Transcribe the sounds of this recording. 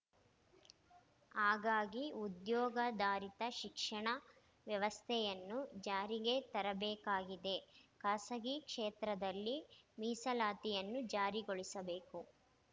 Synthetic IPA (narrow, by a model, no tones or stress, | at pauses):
aːɡaːɡiud̪jɔːɡɐd̪aːɾit̪ɐʃikʂɐɳɐ | ʋjɐʋɐst̪ʰɛjɐnːud͡ʒaːɾiɡe̞t̪ɐɾɐbɛːkaːɡid̪e̞kɐsɐɡikʂeːt̪ɾɐd̪ɐlːimiːsɐlaːt̪ijɐnːud͡ʒaːɾiɡoɭisɐbeːku